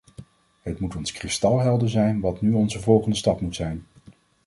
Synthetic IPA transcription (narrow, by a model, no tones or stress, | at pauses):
ɦətmutɔnskrɪstɑlˠɦɛlˠdəzɛjnʋɑtnyɔnzəvɔlˠχəndəstɑpmutsɛjn